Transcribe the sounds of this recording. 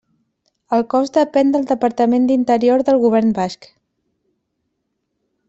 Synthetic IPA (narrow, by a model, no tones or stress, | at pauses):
əlˠkɔzd̪əpɛnd̪əlˠd̪əpəɾt̪əmend̪int̪əɾioɾðəlˠɣuβ̞ɛɾnbaʃk